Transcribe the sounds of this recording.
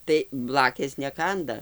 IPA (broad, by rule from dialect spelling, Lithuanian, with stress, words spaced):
tɐɪ ˈblˠɑːkʲeːs nʲɛˈkɐndɐ